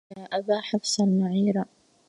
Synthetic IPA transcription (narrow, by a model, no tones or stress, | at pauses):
aːʔabaːħafsˤalmaʕiːɾa